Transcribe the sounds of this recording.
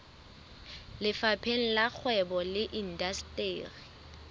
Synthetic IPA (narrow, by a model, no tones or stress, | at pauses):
lɪfapʰeŋ̩lak͡xʰwɛbɔlɪʔin̩dastʼeːri